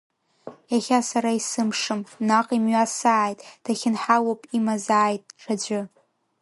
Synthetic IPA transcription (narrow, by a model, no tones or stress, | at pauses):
jaχʲasaɾaisɨmʂɨmnaqʼimɥasaʕːjtʼd̥aχʲɪnħawopʼimazaːjtʼʈ͡ʂʰad͡ʒʷʊ